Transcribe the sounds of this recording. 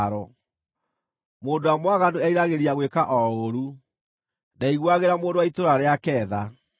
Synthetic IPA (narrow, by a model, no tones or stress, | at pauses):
ɾɔ | moːndoamwaɣandoɛiɾaɣeɾiaɣwekaʔɔoɾu | naiɣwaɣeɾamoːndowaitoɾaɾeakɛːða